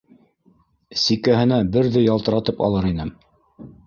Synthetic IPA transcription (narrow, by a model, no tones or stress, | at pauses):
sikæɦɘ̆næbɘɾðɘjɑlˠt̪ɤ̆ɾɑt̪ɤpɑ̰lˠɤɾinɘm